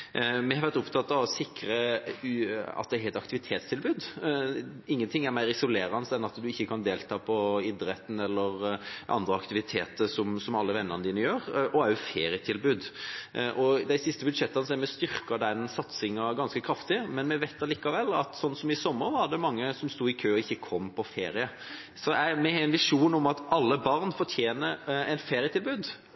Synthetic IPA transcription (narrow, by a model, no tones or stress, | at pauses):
mɛhɑɾʋæɾt̪ʊpt̪ʰɑt̪ːɑʋɔsɪkɾə | ɑ̰t̪̚d̪ɛɾhɛɪt̪ɑkt̪ɪʋɪt̪ʰeːt̪st̪ʰɪlbʉːd̪ | ɪŋːənt̪ʰɪŋːæɾmæɪɾɪsʊleːɾɑnəsɛnɑt̪d̪ʉɪçːəkʰɑnd̪eːlt̪ʰɑːpʰɔɪd̪ɾɛt̪n̩ɛlːəɾʔɑ̰nd̪ɾəɑkt̪ɪʋɪt̪ʰeːt̪əʂɔmsɔmɑlːəʋɛnːəɾnəd̪iːnəjøːɾʔɔæɾjʊfeːɾɪət̪ʰɪlbʉːd̪ʔɔd̪æɪsɪst̪əbʉd̪ʂɛt̪ːɑnsɛmɛst̪ʏɾkɑd̪ɛnsɑt̪sɪŋɑɡɑnskəkʰɾɑft̪ɪmɛnmɛʋeɪt̪ːɑɾliːkɑʋɛlːɑt̪sɔnːsɔmɪsɔmːəɾʋɑɾɖ̪ɛmɑŋːəsɔmst̪uːɪkʰøːɔɪçːəkʰɔmːpʰɔfeːɾɪə | sɔæmɛhɛɪnʋɪʂuːnɔmɑt̪ɑlːəbɑɾnfɔʈʰjeːnəɾɛnfeːɾɪət̪ʰɪlbʉːd̪